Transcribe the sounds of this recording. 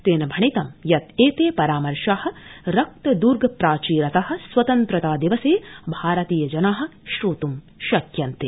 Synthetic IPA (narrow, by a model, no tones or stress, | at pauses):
t̪eːnɐbʱɐɳit̪ɐmjɐt̪eːt̪eːpɐɾaːmɐɾʃaːhɐ̆ɾɐk̚t̪ɐd̪uːɾɡɐpɾaːt͡ʃiːɾɐt̪ɐɦɐ̆sʋɐt̪ɐnt̪ɾɐt̪aːd̪iʋɐseːbʱaːɾɐt̪iːjɐd͡ʒɐnaːɦɐ̆ʃɾuːt̪um | ʃɐkjɐnt̪e